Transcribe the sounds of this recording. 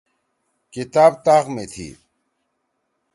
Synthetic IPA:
kit̪aːb̚t̪aːqmet̪ʰḭː

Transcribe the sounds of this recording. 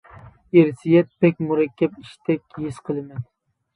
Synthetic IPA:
eɾɪsijɛt̪̚pɛk̚ʲmuɾɛkʲʰːɛpiʃt̪ʰɛkʲːjisqʰəlˠɨmɛn

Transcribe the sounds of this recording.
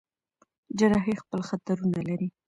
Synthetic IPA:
d͡ʒaɾɑɦexpəlxat̪aɾunalaɾi

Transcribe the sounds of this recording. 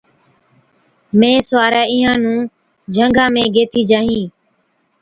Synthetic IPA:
mẽːsʊʋaːɾaːiːɦãːnũː | d͡ʒʱəŋɡʱãːmẽːɡeːt̪ʰiːd͡ʒaːɦĩː

